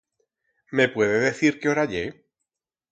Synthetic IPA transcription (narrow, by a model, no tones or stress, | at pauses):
me̞pwe̞ðeðe̞θiɾkeoɾaʎe